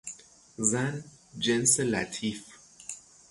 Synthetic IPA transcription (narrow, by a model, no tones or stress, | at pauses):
zæn | d͡ʒenselæ̰t̪ʰif